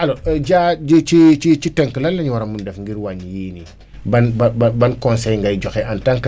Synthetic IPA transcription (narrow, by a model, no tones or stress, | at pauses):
alod͡ʒad͡ʒit͡ʃit͡ʃit͡ʃiteŋkəlalːaɲiwaɾamundefŋɡiɾwaɲjiːni | banbbabankonsejŋɡaid͡ʒokeantaŋk